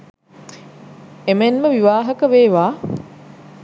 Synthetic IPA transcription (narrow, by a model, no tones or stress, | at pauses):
emenməʋiʋaːɦɐkəʋeːʋaː